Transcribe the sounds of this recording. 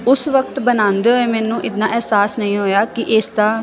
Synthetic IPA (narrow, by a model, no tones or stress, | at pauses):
ʊsʋəkt̪bənãːnd̪eːɦoeːmɛːnũːʔɪt̪nãːʔɛːsaːsnəĩːɦoːjaːkɪʔɪst̪ãː